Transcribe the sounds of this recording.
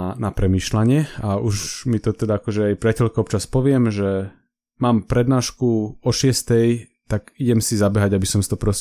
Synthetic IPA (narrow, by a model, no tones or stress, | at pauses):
napɾɛmiːʃlaɲɪɛauʃmit̪ɔt̪ɛd̪aakɔʒɛajpɾɪacɛlkɔɔpt͡ʃaspɔʋɪɛmʒɛ | maːmpɾɛd̪naːʃkuɔʃɪɛst̪ɛjt̪aɡiɟɛmsizabɛɦaɟabisɔmsit̪ɔpɾɔs